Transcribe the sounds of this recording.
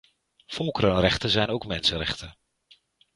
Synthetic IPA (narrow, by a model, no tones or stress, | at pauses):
fɔlˠkərənrɛχtənzɛjnowkmɛnsənrɛ̰χtən